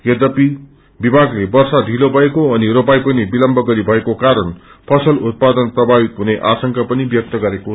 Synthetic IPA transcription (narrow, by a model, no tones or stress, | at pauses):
jʌd̪ʌpi | bibʱaɡlebʌrsad̪ʱilobʱʌekoʌniɾopajpʌnibilʌmbʌɡʌɾibʱʌekokaɾʌn | pʰʌsʌlut̪̚pad̪ʌnprʌbʱabit̪ɦuneʔasʌŋkapʌnibjʌk̚t̪ʌɡʌɾeko